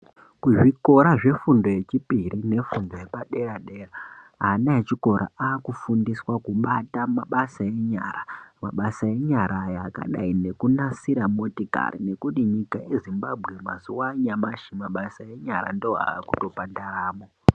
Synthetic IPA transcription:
kuʐiko̞ɾaʐe̞fundo̞je̞t͡ʃipirine̞fundo̞jepaɗe̞ɾaɗe̞raɦanaet͡ʃiko̞ɾʔa̰aːkufundiswakuɓatamaɓasae̞ɲaɾama̰ɓasae̞ɲaɾajaka̰ɗa̰inekunasiɾamotika̰rḭne̞kutiɲikajezimbabʱɣe̞masiwaɲamaʃimaɓasae̞ɲaɾa̰ndooɦa̰ːkuto̞pandaraːmo

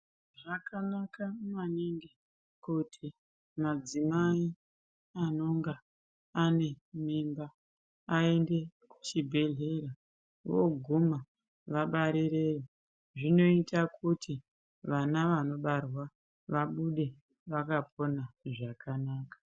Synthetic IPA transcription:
ʐakanakananeŋɡe | kutʰi | mad͡zimai | ano̞ŋɡa | ane̞mimbaː | e̞nde̞kut͡ʃibʱe̞ɮe̞ɾa | ʋo̞̰ɡʱuma | ʋaɓaɾiɾe̞jo | ʐino̞itakʰutʰi | ʋanaʋano̞ɓarwa | ʋaɓuɗe̞ | ʋakapʰo̞naʐakʰanaːkḁ

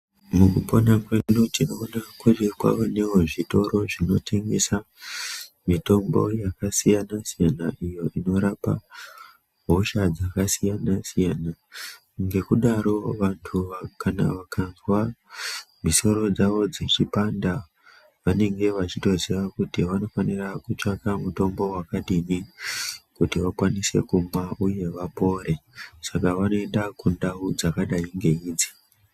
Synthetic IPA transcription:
mukupo̞nakwenutinoːnakurekwa̰one̞woʐito̞ɾo̞ʐino̞tʰe̞ŋɡesa | mito̞mbo̞̰jakasijanasijanaʔijo̞ʔino̞ɾapa̰ | ɦoʃad͡zakasijanasijana | ŋɡe̞kuɗaɾo̞ʋantʰuʋakana̰ʋakʰanzwa | miso̞ɾo̞d͡zaʋo̞d͡zet͡ʃipanda | ʋane̞ŋɡe̞ʋat͡ʃito̞zeʋakutiʋano̞fanirakut͡ʃakamuto̞mbo̞wakaɗini | kutiʋakwanise̞̰kumaʔuje̞ʋapo̞ːɾe̞sakaʋano̞endakundaud͡zakaɗaiŋɡe̞iːd͡zi̥

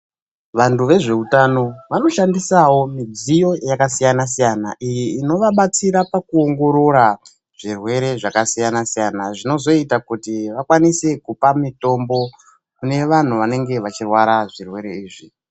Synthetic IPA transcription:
ʋantuʋe̞ʐe̞utano̞ʋano̞ʃandisawo̞mid͡zijo̞jakasijanasijanaʔijiːno̞ʋaɓat͡siɾapakuo̞ŋɡo̞ɾo̞ɾa | ʐ̥irwe̞ɾe̞ʐakasijanasijanaʐino̞zo̞itakutiʋakwanise̞kupamito̞mbo̞ | kune̞ʋan̤uʋane̞ŋɡe̞ʋat͡ʃirwaɾaʐirwe̞ɾe̞iːʐi

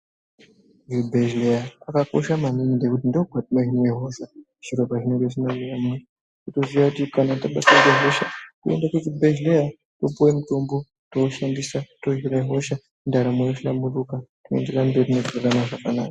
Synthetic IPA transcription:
ibʱeʒlejaːkako̞ʃamaminidekutindoɡʱwatimoɦinweɦo̞ʃa | ʐ̥iro̞bʱaʐine̞ŋɡeʐisinariramui | kuto̞ziʋakutikanataɓataɡeɦo̞ʃakue̞̰ndakutibʱeʒleja | to̞puwemutombo | toːʃandisato̞ɦiɾaɦo̞ʃa | ndaɾamojoʃamurukakuḛnderambotineɡuranaʐakana̰ːkḁ

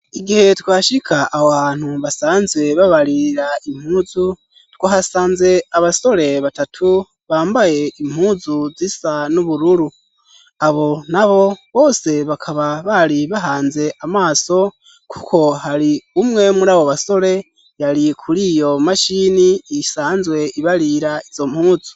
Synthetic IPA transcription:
iɡihe̞twaːʃikʰaʔaβoββaːn̥huβasaːnzwe̞βaβaɾiɾaim̥huːzu | twohasaːnze̞aβaso̞ɾe̞βatatʰu | βaːmbaje̞im̥huːzuzisanuβuɾuɾu | aβo̞naβo̞βo̞ːse̞βakʰaβaβaɾiβaɦaːnze̞ʔamaːso̞ | kʰu̥kʰo̞ɦaɾiumŋe̞muɾaːβoβaso̞ɾe̞ | jaɾikʰuɾiːjo̞maʃiniisaːnzwe̞iβaɾiɾaiz̥o̞m̥huːzu

